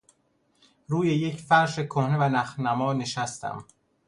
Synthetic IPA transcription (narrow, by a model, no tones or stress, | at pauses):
ɾuːje̞jecʰfæɾʃekʰohne̞vænæxnæmɒːne̞ʃæst̪ʰæ̰m